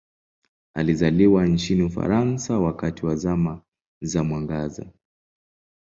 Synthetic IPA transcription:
a̰lizaliwant͡ʃiniufa̰ɾansawakatiwazama | zamwaŋɡaza̰

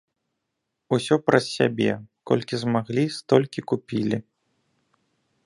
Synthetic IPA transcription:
usʲɔpɾɐsʲsʲabʲɛ̰kɔ̰lʲkʲizmaɣlʲist̪ɔlʲkʲikupʲilʲi

